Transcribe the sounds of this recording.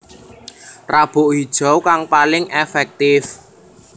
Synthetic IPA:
rab̥ʊ̤ʔɦid̥ʒ̥ɔ̤wkaŋpalɪŋʔɛfɛk̚t̪ɪf

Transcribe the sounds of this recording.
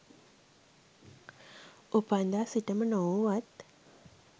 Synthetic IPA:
upand̪aːsiʈəmənowʋat̪

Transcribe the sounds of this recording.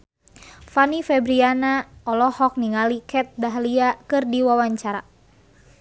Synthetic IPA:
fanifɛbɾianaɔlɔhɔk̚niŋalikʰɛt̪̚baɦliakɨrdiwawaɲt͡ʃaɾa

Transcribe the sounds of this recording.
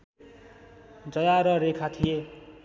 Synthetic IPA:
d͡zʌjaɾʌɾekʰat̪ʰije

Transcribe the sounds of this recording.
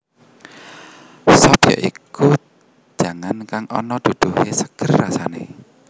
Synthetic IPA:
sɔpjɔ̰ʔiku̥ | d͡ʒʒ̥a̤ŋankaŋʔɔnɔd̪̥ud̪̥uhesəɡ̥ərːasanḛ

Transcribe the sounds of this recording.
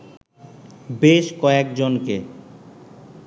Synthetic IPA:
beʃkɔekd͡ʑonke

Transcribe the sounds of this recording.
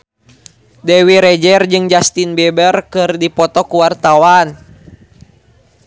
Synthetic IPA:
dɛwiɾɛd͡ʒɛrd͡ʒɨŋd͡ʒast̪inbɛbərkɨrdipɔt̪ɔkuwart̪awan

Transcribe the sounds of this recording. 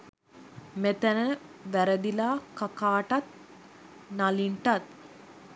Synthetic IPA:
met̪ənəʋæɾəd̪ilaːkakaːʈat̪̚ | naliɳʈat̪̚

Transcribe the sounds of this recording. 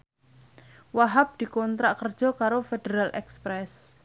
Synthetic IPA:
waɦap̚d̪̥i̤kɔnt̪ɾaʔkərd̥ʒ̥ɔ̤kaɾofed̪̥eɾalʔɛ̰kspɾɛs

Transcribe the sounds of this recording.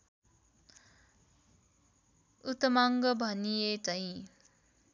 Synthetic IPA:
ut̪ʌmaŋɡʌbʱʌnijet͡sʌĩ

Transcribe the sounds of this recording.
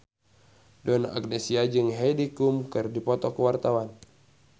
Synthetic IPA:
dɔna̰ʔaɡnɛsiad͡ʒɨŋɦɛjdikumkɨrdipɔt̪ɔkəwart̪awan

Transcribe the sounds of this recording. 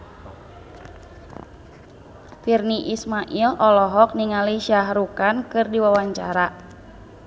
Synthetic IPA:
firniʔismaʔilɔlɔɦɔk̚niŋaliʃaɦɾukankɨrdiwawaɲt͡ʃa̰ɾa

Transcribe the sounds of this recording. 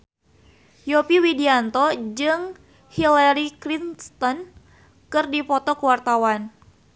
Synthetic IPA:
jopiwidiant̪ɔd͡ʒɨŋ | hilaɾikɾinst̪ɔn | kɨrdipɔt̪ɔkəwart̪awan

